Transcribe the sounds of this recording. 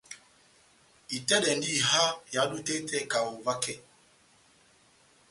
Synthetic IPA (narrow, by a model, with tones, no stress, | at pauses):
i˨tɛ˦ɗɛ˨n˦di˦˨ha˦ja˨˦du˦tɛ˦tɛ˦ka˨wo˨va˦kɛ˦˨